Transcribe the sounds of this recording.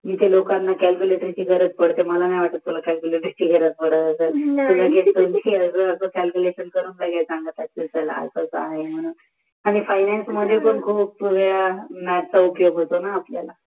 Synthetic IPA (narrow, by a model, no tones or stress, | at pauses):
miːt̪elokanːakælkʲjuleʈɾit͡ɕiːɡʱəɾət͡spəɽt̪eməlanajʋaʈət̪̚t̪ulakælkʲuleʈəɾit͡ɕiːɡʱəɾət͡spəɽət̪əseːlulʱaɡelt̪uːniəsəəsəkælkʲuleɕənkəɾuːnsajɡajsãŋɡət̪at͡sesəla̰səsa̰ɦem̤əɽ̃uːn | aɽ̃ifajnɛnsməd̪ʱːjekoɳkʰuːp̚puɾjamɛp̚t͡saupjoɡɦot̪onaːpljala